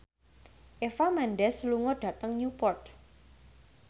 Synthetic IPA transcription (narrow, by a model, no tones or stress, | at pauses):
ʔefamanɖɛsluŋɔɖ̥a̤t̪əŋnupɔrt̪̚